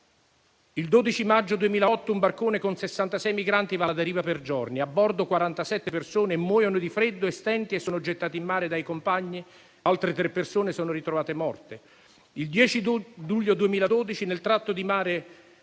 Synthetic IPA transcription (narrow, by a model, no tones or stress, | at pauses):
ild̪oːd̪it͡ʃimad͡ʒːod̪uemiːlaɔt̪ːoumbarkoːnekonsesːant̪asɛjmiɡɾant̪ivad̪eɾiːvaperd͡ʒɔrniabːɔrd̪okwaɾant̪asɛt̪ːepersoːneːmːwɔːjonod̪ifɾed̪ːoest̪ɛnt̪iesːoːnod͡ʒet̪ːaːt̪imːaːɾed̪ajkompaɲːi | alt̪ɾet̪ɾepːersoːnesoːnoɾit̪ɾovaːt̪emɔrt̪e | ild̪jɛːt͡ʃid̪uʎːod̪uemiːlad̪oːd̪it͡ʃinelt̪ɾat̪ːod̪imaːɾe